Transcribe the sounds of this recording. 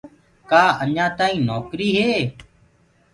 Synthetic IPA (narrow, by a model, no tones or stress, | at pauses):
kaːəɲãːt̪aːĩːnoːkɾiːɦeː